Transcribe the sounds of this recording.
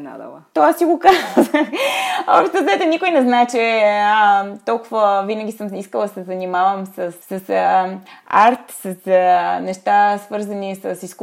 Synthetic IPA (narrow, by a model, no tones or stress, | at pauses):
na̰d̪ə̰lˠt̪oasiɡokazzvə | ɔpʃt̪nozɛt̪onikojnɛznaɛt͡ʃɛət̪ɔlˠkuvəvinəɡʲisəmiskəlˠd̪ɐsɛzɐnimavəmsəsːɐs | a̰ɾt̪sɐsnɛʃt̪asvɤɾzɐnisəsisk